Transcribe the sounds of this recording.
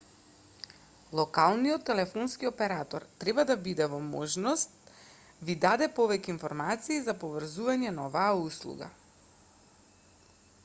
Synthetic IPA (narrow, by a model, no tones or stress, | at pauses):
lˠɔkalˠnijɔt̪ːɛlɛfɔnskiɔpɛɾat̪ɔɾt̪ɾɛbad̪abid̪ɛvɔmɔʒnɔst̪̚ | vid̪ad̪ɛpɔvɛcɛinfɔɾmat̪siːzapɔvr̩zuvaɲɛnaɔvaːuslˠṵɡa̰